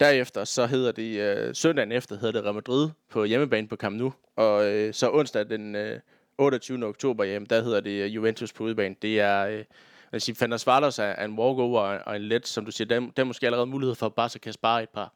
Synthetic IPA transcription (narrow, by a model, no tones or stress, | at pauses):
d̥æɐ̰efd̥ɐsɒ̽ɦe̝ð̞̰ˠɐd̥e̝øsœndɛ̰n̩efd̥ɐhe̝ð̰ˠɐd̥e̝ʁɑmæd̥ʁið̰ˠpʰɒ̽jeməb̥ɛ̰ːn̩pʰɒ̽kʰɑ̈mnu | ɒ̽sɒ̽ʔɔ̽n̰sd̥æd̥enø | ɔ̽ːɾɒt͡sʰyːʊnəoɡ̥t͡sʰo̝̰ːb̥ɐjem̩d̥æhe̝ð̞̰ˠɐd̥e̝juʋent͡sʰuspʰɒ̽uðˠb̥ɛ̰ːn̩d̥e̝æɐø | ʋæsiːfænɐsʋɑ̈ːlɒsæe̝nʋɒːɡ̥oːɒɒe̝nled̥sɒ̽md̥usiːɐd̥ed̥eæɐmosɡ̥e̝ːæləʁɛːðˠmuːlihe̝ð̰ˠfɒ̽b̥ɑ̈ːsɒ̽kʰæsb̥ɑ̈ːe̝d̥̚pʰɑ̈ː